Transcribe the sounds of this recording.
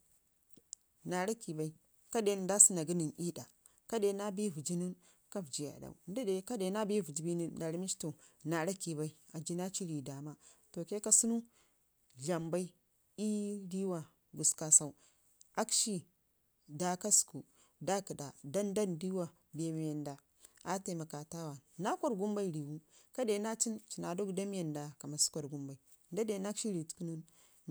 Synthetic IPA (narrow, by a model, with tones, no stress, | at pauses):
na˨ɾa˦ki˨ba˨˦i˦ | ka˦de˦˨da˦si˦na˨ɡi˦ni˨ni˦ɗa˨ | ka˦de˨na˦bi˦vu˨d͡ʒi˦nu˦n | ka˦vd͡ʒi˨ja̰˨da̰˨u˨n˦di˦ɗe˨ka˦de˨˦na˦bi˦vu˨d͡ʒi˨˦bi˦ni˦nda˨ɾi˦mi˦t͡ʃto˨na˨ɾa˦ki˨ba˦i˦a˨d͡ʒi˦na˦t͡ʃi˦ɾi˨da˨ma˦to˨ke˦ka˦su˦nu˦ | ɮa˨mba˦i˦ | i˦di˦wa˨ | ɡu˨ska˦sa˦u˦ | a˦kʃi˦ | da˦ka˦sku˨ | da˦ki˨da˨da˦nda˦ndi˦wa˨ | be˨m˦je˨nda˨ | a˦te˨ma˨ka˨ta˦wa˨na˦kʷo˦ɾɡu˦mba˦i˦ɾi˨wu˦ka˦de˨˦na˦t͡ʃi˦nt͡ʃi˨na˨do˦kda˦m˦je˨nda˨ka˨ma˨su̥˦kʷa˨ɾɡu˦mba˨i˨ | nda˦de˨˦na˦kʃi˦ɾi˨tu̥˦ku˦nu˦n